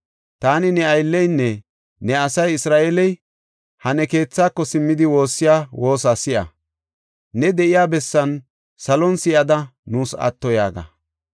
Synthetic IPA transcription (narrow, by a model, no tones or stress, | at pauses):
t̪aːnɪnɛɐjlːɛjnːɛ | nɛɐsɐjɪsɾaːʔelɛj | hɐnɛke̞ːt͡sːaːkːɔsɪmːɪd̪ɪwo̞ːsːɪjaːwo̞ːsasɪʔɐ̰ | nɛd̪ɛʔɪjaːbɛsːɐn | sɐlɔnsɪjɐd̪ɐnuːsɐ̰t̪ːɔja̰ːɡɐ̰